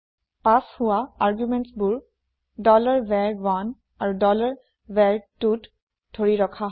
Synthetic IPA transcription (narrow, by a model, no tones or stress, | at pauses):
pashʊwaaɹɡjumɛntsbuɹ | dɔlaɹbɛɹwan | aɹudɔlaɹ | vɛɹtut | dʱoɹiɹɔkʰaɦ